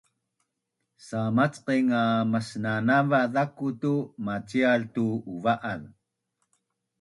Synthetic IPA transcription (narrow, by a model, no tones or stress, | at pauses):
samat͡sqiŋaməsnanavaðakutumat͡sialtuuvaʔan